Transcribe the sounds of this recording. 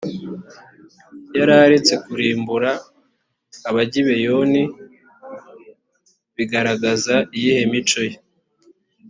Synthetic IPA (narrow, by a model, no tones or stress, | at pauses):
jaɾaɾit͡se̞kuɾiːmbuɾaː | βaɟiβe̞jo̞ni | βiɡaɾaɡazaijihemit͡ʃo̞je